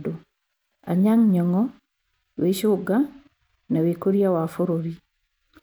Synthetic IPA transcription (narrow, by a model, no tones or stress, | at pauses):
do | a̰ɲaŋɲɔŋɔ | weɕoɡa | nawekoɾjawafoɾoɾi